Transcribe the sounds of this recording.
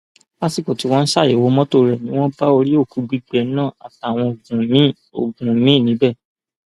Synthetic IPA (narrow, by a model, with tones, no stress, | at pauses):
ba˦si˦˨ko˨ti˨˦w̃ɔ̃˧n̩˦ʃa˦˨e˨wo˨˧˦mɔ̃˦to˦˨ɾɛ˨nĩ˦w̃ɔ̃˦ba˦o˧ɾi˦o˦˨ku˨˦ɡ͡bi˦ɡ͡bɛ˧˨˦nãː˦˨a̰˨ta˨˦˨w̃ɔ̃˧o˨ɡũ˨mĩ˦ | o̰˨ɡũ˨˦mĩ˦˨nĩ˨˦bɛ˦˨